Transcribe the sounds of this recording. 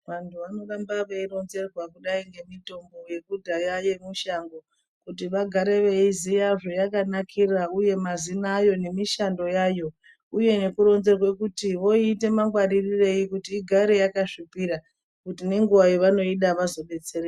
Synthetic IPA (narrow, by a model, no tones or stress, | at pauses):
ʋantʰuano̞ɾambaʋeiɾo̞nze̞rwakuɗaiŋɡe̞mito̞mbo̞je̞kudʱajaje̞muʃaŋɡo̞ | kutiʋaɡʱaɾeʋe̞izijaʐo̞jakanakʰirauje̞mazinaːjo̞ne̞miʃando̞jaːjo̞ | uje̞ne̞kuɾo̞nze̞rwekutiʋo̞iːte̞maŋɡwaririre̞ikutiːɡʱaɾe̞jakaʐipiɾa | kutine̞ŋɡuʋajoʋano̞iɗaʋazo̞ɓe̞t͡se̞re